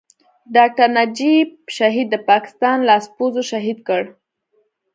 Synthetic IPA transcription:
ɖɑk̚ʈaɾnad͡ʒibʃaɦid̪ːəpɑkɪ̥st̪ɑnlɑspozoʃaɦid̪kəɽ

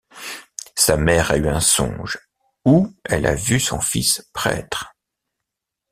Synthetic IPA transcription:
samɛʁayɛ̃sɔ̰̃ʒ | uɛla̰vysɔ̰̃fispχɛ̰t̪χ

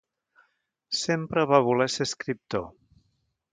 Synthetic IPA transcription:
sempɾəβaβuleseskɾip̚t̪o

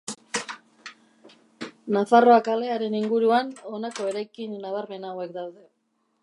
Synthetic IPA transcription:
nafaro̞akale̞aɾe̞niŋɡuɾuano̞nako̞e̞ɾajkinːaβ̞aɾme̞nawe̞k̚d̪awðe̞

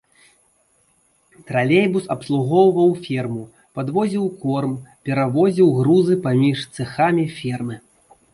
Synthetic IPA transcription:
t̪ɾalʲejbusɐpslˠuɣɔwvɐwfʲɛrmu | pad̪vɔzʲiwkɔrmpʲɛɾavɔzʲiwɣɾuzɨpamʲiʂt̪sɨxamʲifʲɛrmɨ

